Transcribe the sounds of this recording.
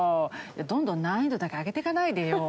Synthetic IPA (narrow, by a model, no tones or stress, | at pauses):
jad̪õnd̪õ̞nːãĩnd̪o̞d̪akeaɡe̞t̪e̞kanaid̪ejo